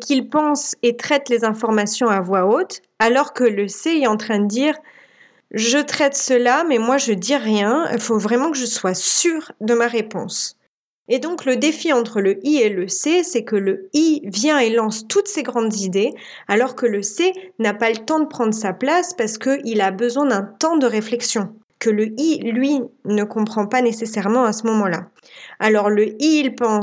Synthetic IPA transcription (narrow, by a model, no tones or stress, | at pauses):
kʲilpɑ̃set̪χɛt̪lezɛ̃fɔʁmasjɔ̃avwaot̪ | alɔʁkələseɛɑ̃t̪χɛ̃d̪əd̪iːʁ | ʒət̪χɛt̪səlamɛmwaʒəd̪iʁjɛ̃ḭlfovʁɛmɑ̃kəʒəswasyːʁd̪əmaʁepɔ̰̃s | ed̪ɔ̃kləd̪efiɑ̃t̪χələʔieləsesɛkələivjɛ̃elɑ̃st̪ut̪seɡʁɑ̃d̪zid̪e | alɔʁkələsenapalət̪ɑ̃d̪əpχɑ̃d̪ʁəs̬aplaspaʁsə̥kəʔilabəzwɛ̃d̪ɛ̃t̪ɑ̃d̪əʁeflɛksjɔ̃ | kələilɥinəkɔ̃pχɑ̃panesesɛʁmɑ̃asəmɔmɑ̃la | alɔʁləiilpɑ̃